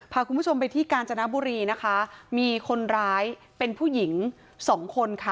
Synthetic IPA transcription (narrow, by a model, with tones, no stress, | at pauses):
pʰaː˧kʰu˧npʰu˥t͡ɕʰo˧mpa˧jt̪ʰiː˥˩kaː˧nt͡ɕa˧na˦˥buː˧ɾiː˧na˦˥kʰa˦˥miː˧kʰo˧nɾaː˦˥j | pe˧npʰuː˥˩ji˩˦ŋ | sɔː˩˦ŋkʰo˧nkʰa˥˩